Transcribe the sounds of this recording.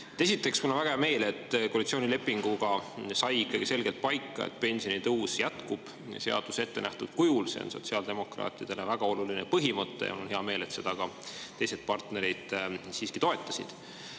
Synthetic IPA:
t̪esit̪ːˑe̞ksmulonvæɡɑme̞ːle̞t̪ːˑkoːlit̪sio̞ːnile̞pːˑiŋɡ̥uɡ̥ɑsɑjikːˑɑɡ̥ise̞lɡ̥e̞lt̪̚pɑjkːˑɑ̰ḛt̪ːˑpe̞nʲsio̞nit̪ɤwsjæt̪kub̥ | se̞ɑ̰d̪̥use̞t̪ːe̞næht̪ud̪̥kujulse̞̰o̰nso̞t̪siɑld̪emo̞krɑ̰ːt̪ːˑid̪̥e̞levæɡ̥ɑo̞lulinepɤɦimɤt̪ːej̰mulonɦeɑme̞ːle̞t̪se̞d̪̥ɑɡ̥ɑt̪ejse̞d̪̚pɑrt̪ne̞ɾid̪̥siːskit̪o̞e̞t̪ːˑɑsḭd̪̥

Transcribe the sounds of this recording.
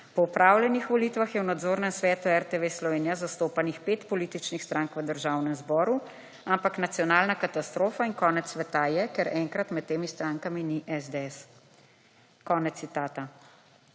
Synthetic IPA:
pɔupɾaːwlɛnixʋɔliːt̪ʋaxjɛwnad̪zoːɾnɛmsʋɛːt̪uɛɾt̪eʋeslɔʋeːnijazast̪oːpanixpeːt̪pɔliːt̪it͡ʃnixst̪ɾaŋkʋəd̪əɾʒaːwnɛmzbɔːɾu | ampaknat̪sjɔnaːlnakat̪ast̪ɾoːfaiŋkɔːnɛt̪sːʋɛt̪ajɛkɛɾɛŋkɾat̪mɛt̪̚t̪ːeːmist̪ɾaːŋkaminiʔɛzd̪eɛs | kɔːnɛt̪ːit̪aːt̪a

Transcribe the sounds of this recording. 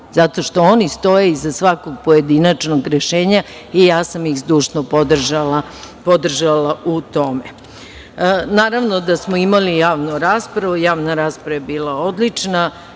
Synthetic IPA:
z̥at̪o̞ʃt̪o̞onist̪o̞jeizasʋako̞ɡ̚po̞je̞d̪inat͡ʃnoɡɾeʃeːɲa | ijaːsamixzd̪uːʃnopod̪ʒala | pod̪r̩ʒalˠaʔut̪o̞me | naːɾaʋno̞d̪asmoimalijaːʋnuɾaːspɾaʋujaːʋnaɾaːspɾaʋaebiːlˠao̞d̪lit͡ʃna

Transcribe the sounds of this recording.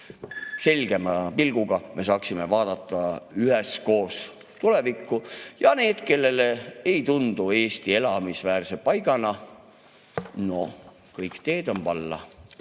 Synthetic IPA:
se̞lʲɡ̥e̞mɑpilɡ̥uɡ̥ɑmʔe̞s̬ɑːksime̞vɑːd̪̥ɑt̪ˑːɑyɦesko̞ːs | t̪ule̞vikːˑujɑne̞ːd̪̥ke̞lːe̞leejt̪und̪̥ue̞ːst̪ie̞lɑmisvæːrse̞pɑjɡ̥ɑnɑ | no̞̰ | kɤjkt̪e̞ːd̪̥o̞npɑlːɑ̰

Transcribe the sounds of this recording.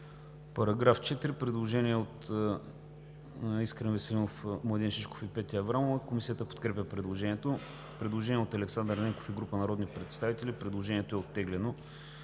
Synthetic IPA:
pɐɾɐɡɾaft͡ʃɛt̪iɾipɾɛd̪lˠoʒɛniɛot̪ | iskɾɛnvɛsɛlʲinofmlˠɐd̪inʃit͡ʃko̥fipɛt̪iəvɾalˠkomisiət̪əpo̥t̪kɾɛpʲəpɾɛd̪lˠoʒɛniɛt̪o | pɾɛd̪lˠoʒɛniɛot̪ɐlɛksand̪ɾnɛko̥fiɡɾupənɐɾɔd̪nipɾɛt̪st̪avit̪ɛlʲipɾɛd̪lˠoʒɛniɛt̪oɛot̪ːɛɡlɛno

